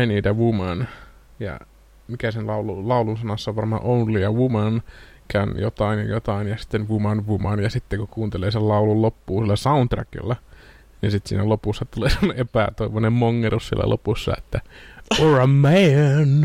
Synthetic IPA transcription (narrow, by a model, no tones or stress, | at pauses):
eniːt̪æʋumɑn | jɑ̰ | mikæsenlɑululɑulunsɑnɑsːɑʋʋɑrmɑ̰ːʔounlijɑʋumɑn | kænjo̰t̪ɑinjɑjot̪ɑinjɑsi̥t̪ːenʋumɑnʋumɑnjɑsit̪ːekukuːnt̪eleːsellɑulullopːuːsilːæsɑunt̪ræ̰kḭlːæ | ninsit̪sḭːnælopusːɑt̪uleːsemːoneʔepæ̰t̪oiʋonemmoŋːeɾussḭlːæ̰lʔo̰pusːɑ̰et̪ːæorɑmːææn